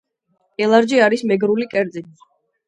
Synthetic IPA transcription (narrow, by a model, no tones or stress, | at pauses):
ɛlˠaɾd͡ʒiaɾismɛɡɾulikʼɛɾt̪zʼin